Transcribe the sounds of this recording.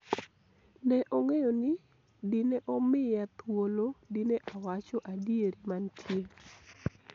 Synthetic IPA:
nɛʔoŋejonɪ | dineʔɔmɪjat̪wolodineʔawat͡ʃɔʔadieɾimantʰje

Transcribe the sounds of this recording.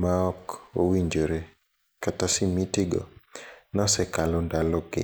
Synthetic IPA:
maɔko̰wiɲd͡ʒoɾe | katasɪmitiɡɔ̰nɔsɛkalɔndalɔkɪ̰

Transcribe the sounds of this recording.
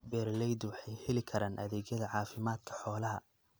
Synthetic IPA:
bɛːrlɛjd̪wɑħɑjhɛlɪkʰɐɾaːnʔɐ̰ðɛːɡjɐðɐʕɑːfɪmaːd̪̚kʰɐ̥ħɔːlɐɦɐ

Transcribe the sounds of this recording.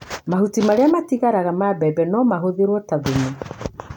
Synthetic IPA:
mahutimaɾeamatiɣaɾaɣamabɛbɛnɔmaɦoðeɾwɔtaðeɲe

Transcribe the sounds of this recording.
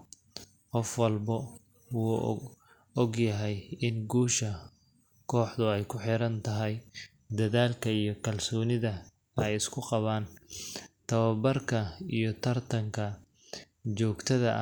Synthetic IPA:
qɔfwɑlbɐ | wuː | ɔɡjɐɦɛjɪnɡuːʃɐ | kʰɔːħd̪ʊɛjkʰʊħɪɾɐnt̪ʰɐɦɛj | d̪ɐðaːlkʰɐijɞkʰɐlsɔːnɪðɐ | ɛjɪskʰʊqɑβaːn | t̪ʰɐβɐbɐrkʰɐijɞt̪ʰɐrt̪ʰɐŋkʰɐ | t͡ʃɔːɡt̪ʰɐðɐ̰ʔ

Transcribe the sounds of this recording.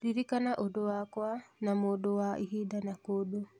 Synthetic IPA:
ɾiɾikanaʔodowakwanamodowaʔḭɦidanakodo

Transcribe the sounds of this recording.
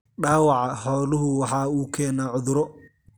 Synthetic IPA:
ɖaːwɑʕɑħɔːlʊɦʊwɑħɑːuːkʰɛːnaːʕʊðʊɾɔ

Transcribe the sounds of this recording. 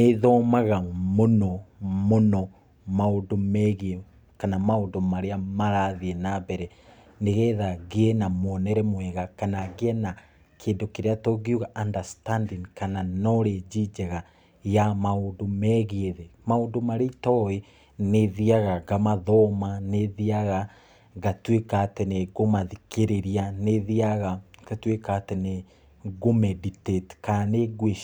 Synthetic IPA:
neðɔmaɣamonɔmonɔ | maondomɛɣiɛ | kanamaondomaɾeamaɾaðiɛnabɛɾɛ | neɣɛðaɣeɛnamwɔnɛɾɛmwɛɣakanaɣeɛna | kʰeːndokeɾeatoɣjuɣaʔandastandinkananɔɾed͡ʒid͡ʒɛɣa | jamaoːndomɛɣeeðɛmaoːndomaɾeitɔe | neðiaɣaɡamaðɔmaneðiaɣa | ɣatwekatɛneɣomaðikeɾeɾianeðiaɣaɡatwekatɛne | ɡomɛditetkaneɡwe

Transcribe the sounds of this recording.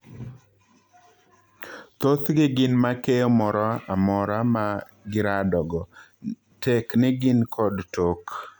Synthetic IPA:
t̪ot̪ɡɪɡɪnmakejɔmɔɾɔamɔɾama | ɡɪɾadɔɡɔ | teknɪɡɪnkʰɔdtok

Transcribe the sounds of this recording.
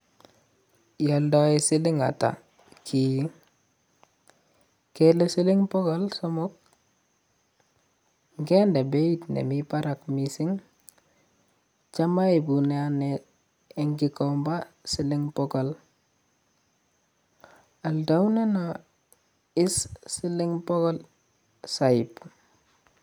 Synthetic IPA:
jaldaisiliŋa̰ta̰ | kʰi | kelesiliŋpɔɡalsomɔk̚ | ŋɡendebeitnḛmipaɾakmisiŋ | t͡ʃamaibuneane | eŋkikɔmbasiliŋpɔɡol | aldawneno | issiliŋpɔɡol | saip

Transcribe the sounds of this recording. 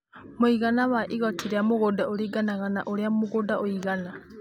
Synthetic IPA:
moiɣanawaʔiɣɔtʰiɾeamoɣodaoɾiɡanaɣana̰ʔoɾeamoɣodaʔoiɣana

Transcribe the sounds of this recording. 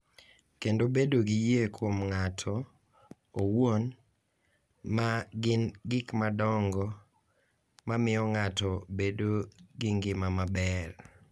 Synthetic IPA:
kendobedoɡijekwomŋatʰɔ | owon | maɡɪnɡɪkmadɔŋɡɔ | mamɪɔŋatɔbedoɡɪŋɡɪmamabɛr

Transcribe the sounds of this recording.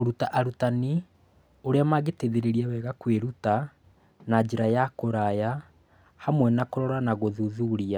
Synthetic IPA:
oɾutaʔaɾutani | oɾeamaɣeteðeɾeɾiaβɛɣakweɾuta | nad͡ʑeɾajakoɾaja | hamwɛnakoɾɔɾanaɣoðuðuɾia

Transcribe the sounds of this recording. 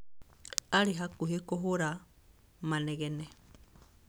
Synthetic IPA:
aɾiɦakuɦekɔɦuɾa | manɛɣɛnɛ

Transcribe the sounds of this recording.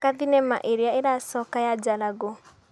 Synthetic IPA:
kaðinɛma̰ʔeɾeaeɾasɔkajad͡ʒalaɡo

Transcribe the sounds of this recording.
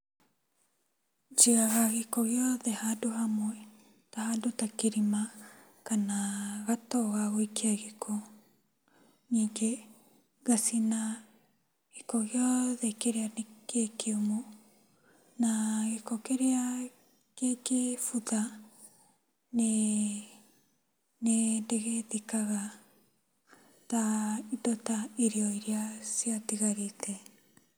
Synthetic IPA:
d͡ʒiɣaɣaɣekɔɣjɔðɛhadohamwɛ | tahadotakeɾima | kanaɣatɔɣaɣoekiaɣekʰo | ɲiːŋɡe | ɣasina | ɣekɔɣjɔðɛkeɾeanekekʰeumo | naekokeɾea | kekefut̪a | ne | nendeɣet̪ikaɣa | taitotaiɾioiɾiasiatiɣaɾitʰe

